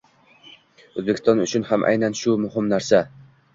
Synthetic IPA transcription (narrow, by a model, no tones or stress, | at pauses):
ozbekʲʰɪst̪ɒnʊt͡ʃʰʊnhamʔa̰jnanʃʊmʊɦɪmnaɾsa